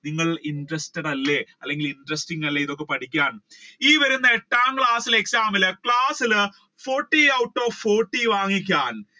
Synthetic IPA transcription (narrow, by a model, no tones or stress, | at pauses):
niŋːɐɭindrɐsteɽɐlːe̞ɐlːe̞ŋɡilinɖrɐstiŋːɐlːeiðo̞kːe̞pɐʈʰikʲːaːɳiːʋɐɾunːɐeʈːaːmkɭaːsileksaːmɐlɨkɭaːsil | fo̞ːʈːiɐwʈːo̞ːfoːrʈːiʋaːŋːikʲːaːn